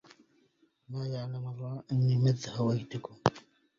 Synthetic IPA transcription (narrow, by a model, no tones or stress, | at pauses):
maːjaʕlamɑrˤːɑːʔɪnːimɪðːhawajd̪ʊkʊm